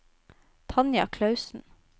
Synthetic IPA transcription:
t̪ʰɑnjɑ̰kʰlɑʉsn̩

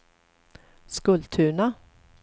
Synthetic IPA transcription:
skɵlt̪ʰʉ̟ːɳa

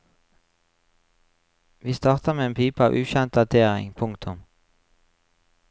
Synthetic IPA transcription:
ʋiːst̪ɑːʁt̪əʁmeːeːnpʰyːpɑ̰ːʋʔʉːçɛnt̪̚d̪ɑd̪ʰeːʁɪ̰ŋpʰʊŋkt̪ʰʊm

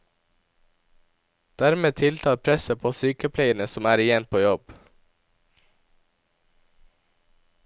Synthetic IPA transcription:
d̪̥æɾmeːt̪ʰɪlt̪ʰɑːpʰɾɛsəpʰoːsyːkəpʰleɪənəsɔmæːɾɪjɛnpʰoːjɔb̥

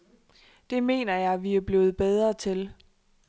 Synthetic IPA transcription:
d̥e̝me̝̰ːnɐjɑ̈ɪʋiæɐb̥le̝ːð̞̩ˠb̥eð̞ˠʁɐt͡sʰel

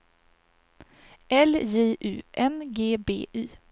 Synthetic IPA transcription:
ʔɛljeːʔʉ̟ːʔɛnɡeːbḛːʔyː

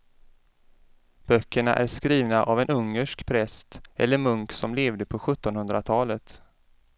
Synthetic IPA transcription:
b̥œkːəɳa̰ʔæɾʂkɾiːvnaʔavɛnɵŋːəʂkpʰɾɛst̪ɛ̰lːəɾmɵŋksɔmleːvd̪əpʰɔɧɵt̪ːɔnhɵnd̪ɾat̪ʰɑːlət̪

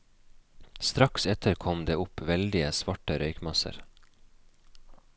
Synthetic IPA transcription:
st̪ɾɑksɛt̪ʰəɾkʰɔmd̪eːʊpʋɛld̪ɪəsʋɑʈəɾœʏkmɑsə̰ɾ

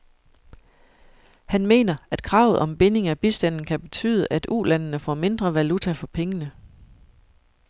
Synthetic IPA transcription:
hænme̝̰ːnɐʔæd̥kʰʁɑ̈ʊð̩ˠɒ̽mb̥e̝ne̝ŋæb̥isd̥æn̰n̩kʰæb̥e̝t͡sʰy̰ːð̞ˠəʔæd̥ṵːlænnəfɒ̰ːme̝nd̥ʁɐʋælut͡sʰæfɒ̽pʰeŋənə

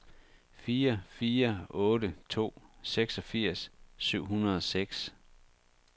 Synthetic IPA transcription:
fiːɐfiːɐɔ̽ːɾət͡sʰo̝̰ːseɡ̥sɒ̽fiɐ̰sːyʊ̰ɦunɐð̞̩ˠɒ̽seɡ̥s

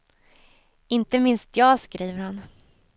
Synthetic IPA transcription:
ɪnt̪əmɪnst̪ʰjɑːɡskɾiːvəɾhan

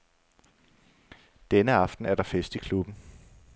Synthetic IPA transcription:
d̥enəɑ̈fd̥n̩æɐɾ̥ɑ̈fesd̥ikʰlub̥n̩

